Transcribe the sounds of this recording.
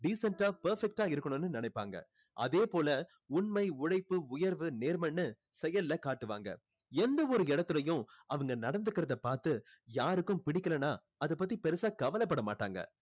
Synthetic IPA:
ɖiːsɐɳʈaːpɐɾfɛk̚ʈaːɪɾɯkːɐɳɯnːɯnɪnɐɪpːaːŋɡɐ̰ | ʔɐ̰ðeːpoːlɐ | ʊɳmɐɪʊɽɐɪpːɯʊjɐɾʋɯneːɾmɐnːɯ | sɛjɐlːɐkaːʈːɯʋa̰ːŋɡɐ̰ | ɛnd̪ɐɔɾɯɪɽɐt̪ːɯlɐjʊ̃ɐʋɐŋɡɐnɐɽɐnd̪ɯkːɪɾɐðɐpaːɾt̪ɯ | jaːɾɯkːɯ̃mpɪɽɪkːɐlɐnaː | ɐðɯp̬ːɐt̪ːipɛɾɯsaːkɐʋɐlɐpːɐɽɐma̰ːʈːa̰ːŋɡɐ̰

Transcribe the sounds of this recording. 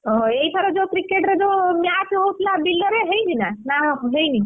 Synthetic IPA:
ɔɦɔ̃ejt̪ʰaɾed͡ʒokɾikeʈɾed͡ʒomjat͡ʃɦowt̪ʰlabilːɔɾeɦejd͡ʒinanaɦejni

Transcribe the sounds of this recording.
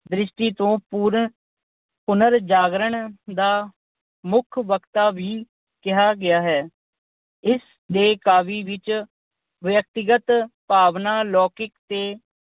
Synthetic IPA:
d̪ɾɪʃʈiːt̪õːpuːɾ | pʊnəɾd͡ʒaːɡɾəɳd̪aː | mʊkʰʋəkt̪aːʋiː | kɪɦaːɡɪjaːɦɛː | ɪs | d̪eːkaːʋiːʋɪt͡ʃ | ʋjək̚t̪ɪɡət̪paːʋnaːlɔːkɪkt̪eː

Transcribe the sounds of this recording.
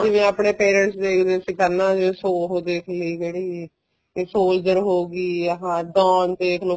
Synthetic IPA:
d͡ʒɪʋẽːapɳeːpɛːɾə̃ɳʈsd̪eːkʰd̪eːsɪkəɾnãːd͡ʒɪʋẽːsoːɦoːd̪eːkʰləiːd͡ʒeːɽiː | eːsoːld͡ʒəɾɦoːɡiːəɦãːd̪ɔ̃ːnt̪eːkʰlõː

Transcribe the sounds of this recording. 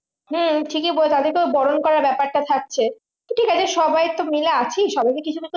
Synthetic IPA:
hm̩ʈʰikeboet̪ad̪eɾkeobɔɽonkɔɾaɾbɛpaɾʈat̪ʰak̚t͡ɕʰe | t̪oʈʰikad͡ʑeʃɔbajt̪omileat͡ɕʰiʃɔbajkekit͡ɕʰukit̪

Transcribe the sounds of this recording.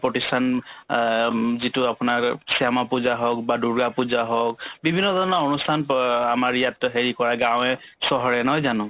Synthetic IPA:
pɔtistʰan | zitʊapʊnaɹsijamapuzaɦɔk̚baduɹɡapuzaɦɔk̚bibʱinːɔdʱɔɹɔnɔonustʰanamaɹijatɦeɹikɔɹaɡãw̃ɛ | sɔɦɔɹɛnɦɔjzanɔ̃

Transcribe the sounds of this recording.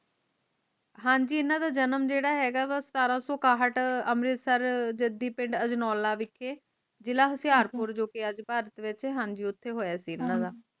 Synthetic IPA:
ɦãːɲd͡ʒiːɪnãːd̪aːd͡ʒənəmd͡ʒeːɽaːɦɛːɡaːʋəst̪aːɾãːsɔːkaːɦəʈəmɾɪt̪səɾd͡ʒəd̪iːpɪ̃ɳɖəd͡ʒnɔːlːaːʋɪkʰːeː | d͡ʒɪlaːɦʊsɪjaːɾpʊɾd͡ʒoːkeːəd͡ʒpaːɾət̪ʋɪt͡ʃɦɛːɦãːɲd͡ʒiːʊt̪ʰːeːɦoːjaːsiːɪnːãːd̪aː

